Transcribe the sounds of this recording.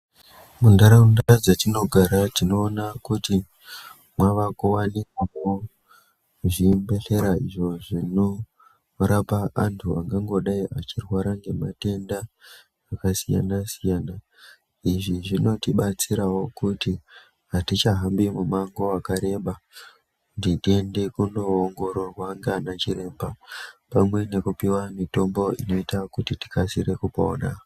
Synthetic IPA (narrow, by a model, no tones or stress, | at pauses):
mundaɾaundaad͡zatino̞ɡʱaɾatino̞ːnakuti | mwaʋakuwanikwawo | ʐimbe̞ɬe̞ɾaiʐo̞ʐino | ɾapaʔantʰuaŋɡaŋɡo̞ɗaiʔat͡ʃirwaɾaŋɡe̞ma̰te̞ndaː | kasija̰nasijaːna | iʐiʐino̞tiɓat͡siɾawo̞kuti | ɦatit͡ʃaɦambimumaŋɡo̞akaɾe̞ɓa | kutitie̞nde̞kuno̞ːŋɡo̞ɾorwaŋɡanat͡ʃiɾe̞ːmbapamwe̞nekupiwamito̞mbo̞ḭno̞itakutiti̥kasiɾe̞kupoːɗa̰